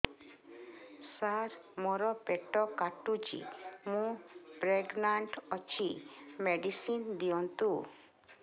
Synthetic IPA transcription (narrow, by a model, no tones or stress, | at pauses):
saɾmɔɾɔpeʈɔkaʈut͡ʃḭmũpɾeɡnaɳʈɔt͡ʃʰimeɖisind̪ijɔnt̪u